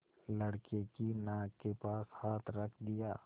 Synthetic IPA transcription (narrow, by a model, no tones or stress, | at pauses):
lɐɽkekinaːɡkːepaːshaːt̪ʰɾɐkʰd̪ɪjaː